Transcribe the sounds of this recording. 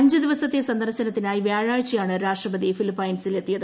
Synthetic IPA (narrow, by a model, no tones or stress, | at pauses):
ɲd͡ʑɨd̪iʋɐsɐt̪ːesɐnd̪ɐrɕɐnɐt̪ːinaːjiʋjaːɻaːɻt͡ɕːijaːɳɨɾaːʂʈrɐbɐd̪ifilipːɐjnsile̞t̪ːijɐðɨ